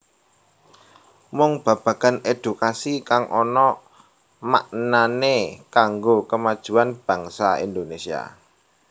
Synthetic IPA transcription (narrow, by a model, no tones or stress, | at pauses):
mɔŋb̥ä̤b̥ä̤ɡ̥a̤ned̪̥ṳkasikaŋʔɔnɔ | ma̰ʔnanekaŋɡokəmad̥ʒ̥ṳanb̥ä̤ŋsaḭnd̪onesia̰